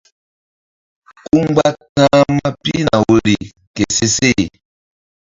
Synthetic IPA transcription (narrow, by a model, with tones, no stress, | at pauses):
ku˦ŋɡ͡ba˦ta˦ma˦pi˦na˨wo˦ɾi˨ | ke˨se˦se˦˨